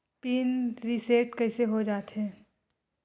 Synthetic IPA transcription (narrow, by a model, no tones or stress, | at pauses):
piːnɾiseːʈkɐɪseɦod͡ʒaːt̪ɦɛ̃ː